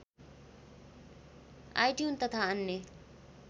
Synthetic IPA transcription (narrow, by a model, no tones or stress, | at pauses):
a̰ːjʈjuːnt̪ɐt̪ʰaɐnːjə